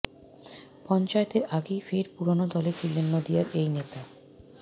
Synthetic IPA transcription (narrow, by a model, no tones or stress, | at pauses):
pɔnt͡ɕaet̪eɾʔaɡejfeɾpuɾonod̪ɔlet͡ɕʰilːenːod̪ijaɾejnet̪a